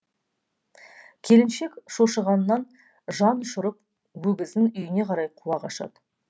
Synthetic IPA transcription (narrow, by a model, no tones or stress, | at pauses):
kʲʰe̞lɪnʃe̞kʃoʃəʁɑnːɑn | ʒɑnʊʃʊɾəp | wɵɡʲɪzd̪ɪnʏjɪne̞qʰɑɾɑjqʰuɑqɑʃɑ̰d̪